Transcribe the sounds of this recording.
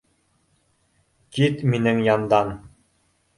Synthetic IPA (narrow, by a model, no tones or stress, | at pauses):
kit̪minɘŋjɑnd̪ɑn